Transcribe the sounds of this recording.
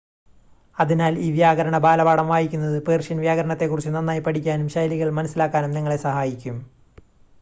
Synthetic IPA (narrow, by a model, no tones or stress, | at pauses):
ɐðinaːliːʋjaːɣɐɾɐɳɐbaːlɐbaːɽɐmʋaːjikʲːun̪ːɐðɨpeːrʂɐnʋjaːɣɐɾɐɳɐt̪ːe̞kːurit͡ɕːɨnɐnːaːjipɐʈʰikʲːaːnumɕɐjliɣɐɭmɐnɐsːilaːkːaːnumniŋːɐɭe̞sɐhaːjikʲːum